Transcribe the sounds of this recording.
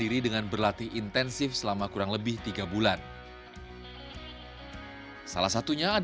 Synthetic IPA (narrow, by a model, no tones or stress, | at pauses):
iɾidəŋanbərlat̪iint̪ɛnsɪfsəlamakuɾaŋləbɪht̪iɡabulan | sa̰lahsat̪uɲaː